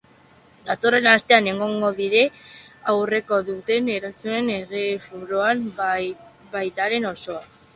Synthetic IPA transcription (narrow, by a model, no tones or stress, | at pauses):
d̪at̪o̞re̞nast̪e̞ane̞ŋɡoŋɡo̞ðiɾe̞awre̞ko̞ðut̪e̞ne̞ɾant͡sune̞ne̞re̞fuɾo̞am | bajt̪aɾe̞no̞so̞a